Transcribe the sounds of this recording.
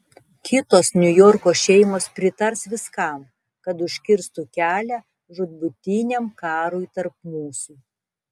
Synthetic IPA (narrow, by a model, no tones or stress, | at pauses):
kʲɪt̪oːsnʲʊjɔɾkoːʃʲɛɪmoːspʲɾʲɪt̪ɐɾsʋʲɪskɑˑm | kɐt̪ʊʃʲkʲɪɾst̪ukʲæːlʲæ | ʒʊd̪̚bʊt̪ʲɪnʲɛmkɑːɾuːjt̪ɐɾpmuːsʊ